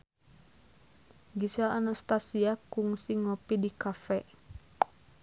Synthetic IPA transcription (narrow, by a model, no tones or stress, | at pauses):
ɡisalanast̪asiakuŋsiŋɔpidikafɛ